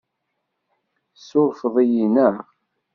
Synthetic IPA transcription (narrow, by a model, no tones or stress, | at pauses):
sʊɾfəðˤijinə